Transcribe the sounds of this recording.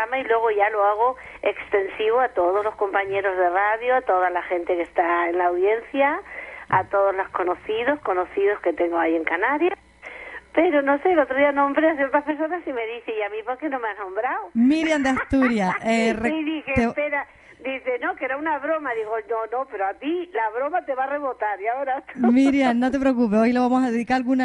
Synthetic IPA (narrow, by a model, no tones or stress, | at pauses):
amailwe̞ɣ̞oʝaloaɣ̞o̞ | ekst̪e̞nsiβoat̪o̞ð̞ozlo̞sko̞mpaɲe̞ɾo̞zðe̞raðjoat̪o̞ðalaxe̞nt̪e̞ke̞st̪aenlaːwðje̞nθjaat̪o̞ð̞ozlosko̞no̞θiðo̞sko̞no̞θiðo̞ske̞t̪e̞ŋɡoaje̞ŋkanaɾja | pe̞ɾo̞no̞se̞elot̪ɾoðianõmbɾeaθ̬eɾt̪ɾahpe̞ɾso̞nasime̞ðiθeiamĩpo̞ɾke̞nomeanõ̞mbɾawmiɾjand̪east̪uɾjaereiðixeepeɾa | d̪iθeno̞keɾaunaβɾo̞maðiɣonono̞pe̞ɾoat̪ilaβɾo̞mat̪eβare̞βo̞t̪aɾjaoɾat̪miɾjannːo̞t̪̬e̞pɾek̬up̬eojleβamosaðeðikaɾalɣuna